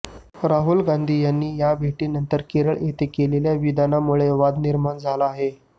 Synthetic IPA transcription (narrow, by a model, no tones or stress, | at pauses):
ɾaɦulɡand̪ʱiːjanːiːjabʱeʈiːnənt̪əɾkeɾəɭet̪ekeleljaʋid̪anamuɭeʋad̪niɾmand͡zʱalaːɦe